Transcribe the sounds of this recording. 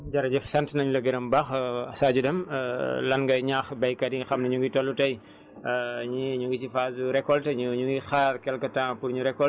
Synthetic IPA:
d͡ʒɐɾɐɟɛfsɐntnɐɲulɐɡɐɾɐmbaxɐsaːɟudɐmlɐnɡɐɲaːxbɐjkɐdiŋxɐmnɐɲuŋɡitɔlːutɐj | ɲiɲuŋɡit͡ʃifaːzuɾɛkːɔltɐɲuɲuŋɡixaːɾkɛlkɐtãːpuɾɲuɾɛkːɔ

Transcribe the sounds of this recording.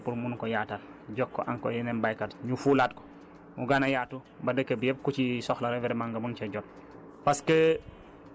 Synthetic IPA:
puɾmunkɔjaːtal | ɟɔkːɔ̰ʔaŋkɔ̰jɛnɛnbajkatɲufuːlat̚kɔ̥ | muɡanajaːtu | bɐdəkːəbjɛp̚kut͡ʃisɔxlɐɾɛvɛɾɛmaŋɡɐmunt͡ʃɐɟɔt̚ | paske

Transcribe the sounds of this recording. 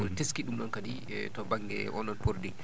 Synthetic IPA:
ɔteskiɗumɗɔnkadi | tɔbaŋɡɛ̰ʔɔnɗɔnpoɾdi

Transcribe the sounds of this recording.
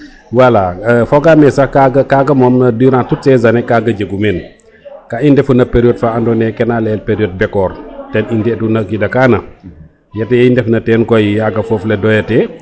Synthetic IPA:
walafɔɡamɛsɐkaɡɐkaɡɐmɔmnɐdiɾantut̚sɛzɐnɛkaɡɐd͡ʒɐɡumɛn | kaindɛfunɐpeɾiɔdfaandɔnɛkɛnalɛlpeɾiɔd̚bɛkːɔːɾtɛnindɛtunɐkidɐkaːnɐ | jɐtɐndɛfnɐtɛnkɔjijaɡɐfɔflɛdɔjɐtɛ

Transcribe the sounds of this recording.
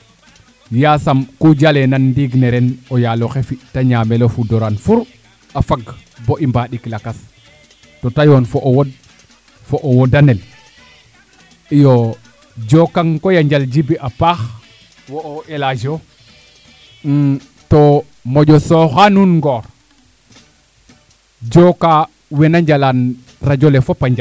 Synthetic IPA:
jasamkud͡ʒalenandiɡneɾenojaloxefitaɲamelofudoɾanfuɾ | afaɡboʔimbaɗiklakas | totajonfoʔwod̚ | foʔowodanel | ijo | d͡ʒokaŋkojaɲd͡ʒald͡ʒibiʔapax | woːʔelad͡ʒo | to | moɟosoxanunŋɡoːɾ | d͡ʒoka | wenaɲd͡ʒalan | ɾad͡ʒolefopaɲd͡ʒa

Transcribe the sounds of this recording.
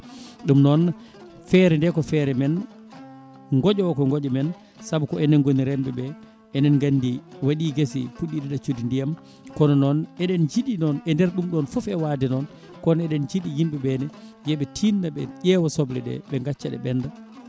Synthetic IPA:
ɗumnɔn | fɛɾɛndɛkɔfɛɾɛmɛn | ŋɡɔd͡ʒɔwkɔŋɡɔd͡ʒɔmɛn | sabukɔɛnɛnɡoniɾɛmbɛɓɛ | ɛnɛnŋɡandiwaɗiːɡesḭpuɗːiɗɛɗat͡ʃudindijam | kɔnɔnɔnɛɗɛnd͡ʒiɗinɔnɛndɛɾɗumɗɔnfɔfɛwaːdɛnɔn | kɔnɛɗɛnd͡ʒiɗijimbɛbɛnɛjɛɓɛtʰinːaɓɛ̰ʄɛwɔsɔblɛɗɛ̰ɓɛŋɡat͡ʃːaɗɛ̰ɓɛnda

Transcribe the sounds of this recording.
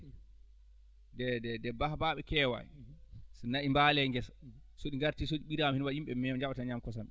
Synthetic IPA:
dɛdɛdɛbahabaɓɛkɛwa̰jsɛnaʔimbalɛŋɡɛsḁ | soɗiŋɡaɾtiːsoɗiɓiɾamhinwahimɓɛmɛɲd͡ʒaɓataɲamkɔsamɓɛ

